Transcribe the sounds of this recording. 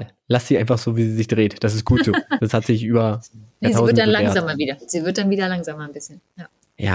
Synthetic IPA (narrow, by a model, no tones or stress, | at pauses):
l | lasz̥iːʔaɪnfaχz̥oːviːziːzɪçd̥ʁeːtd̥as̬ɪstɡ̥uːtz̥oːd̥ashatz̥ɪçʔyːbɐjatiaʊznddanlaɛŋɐzaːmɐviːdɐz̥iːvɪɐt̚d̥anviːdɐlaŋzaːmɐnbɪsçənjaː | ja̰ː